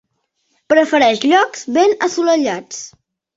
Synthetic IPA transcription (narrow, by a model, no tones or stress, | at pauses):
pɾəfəɾɛʃʎɔkz̥βenəsuləʎat͡s